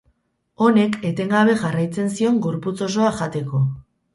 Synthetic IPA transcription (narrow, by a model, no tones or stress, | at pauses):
o̞ne̞ke̞t̪e̞ŋɡaβ̞e̞ʝarajt͡se̞nsio̞ŋɡo̞ɾput͡so̞s̬o̞aʝat̪e̞ko̞